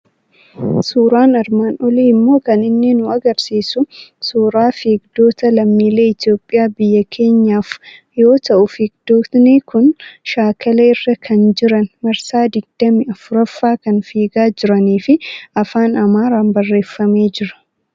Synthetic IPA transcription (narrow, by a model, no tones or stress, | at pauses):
suːɾaːnɐɾmaːnɔliːmːo̞ːkɐnɪnːɪnʊɐɡɐɾsiːsʊsuːɾaːfiːɡd̪o̞ːt̪ɐlɐmːiːle̞ːɪt̪jo̞ːpʼːɪjaːbɪjːɐkʰe̞ːɲːaːf | jo̞ːt̪ɐʔʊfɪɡ̚d̪oːt̪nɪkʊnʃaːkʰɐleɪrːɐkʰɐnd͡ʒɪɾɐnmɐɾsaːd̪ɪɡ̚d̪̥ɐmɪɐfʊɾɐfːaːkɐnfiːɡaːd͡ʒɪɾɐniːfɪɐfaːnɐmaːɾaːnbɐrːe̞ːfːɐme̞ːd͡ʒɪɾɐ̥